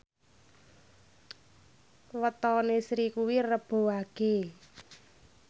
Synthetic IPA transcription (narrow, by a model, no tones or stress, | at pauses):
wət̪ɔnesɾikuwirəb̥o̤waɡ̥e